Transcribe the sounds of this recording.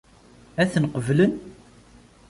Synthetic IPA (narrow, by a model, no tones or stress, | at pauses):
æθənqəvlən